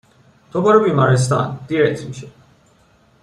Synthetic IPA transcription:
t̪ʰobaɾubimaɾis̬t̪a̰nd̪̥iɾɛt̪ʰmiʃi

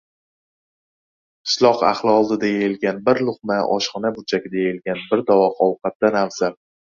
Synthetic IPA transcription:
qʰɪ̥ʃlˠɒqa̰χlˠɒlˠd̪ɪd̪ajaɪlɡʲanbɪɾlˠʊqmaʔɒ̰ʃχɒnabʊt͡ʃʰakʲɪd̪ajejɪlɡʲanbɪɾd̪ɒwɒqɒwqʰɑt̪̚d̪anawz̥a

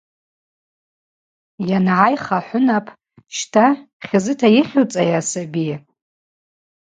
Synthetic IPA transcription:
janʕajχaħʷʊnapʰʼ | ʃtʰa | χʲɪzɨtʰajɪχʲt͡sʼajasabi

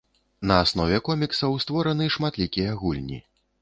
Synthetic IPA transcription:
nɐasnɔvʲɛkɔmʲiksɐwst̪vɔɾɐnɨʂmat̪lʲikʲijɐɣulʲnʲḭ

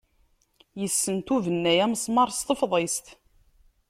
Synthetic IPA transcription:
jəsːənt̪uvənːæjæmsˤmɑɾˤst̪əfðˤest̪

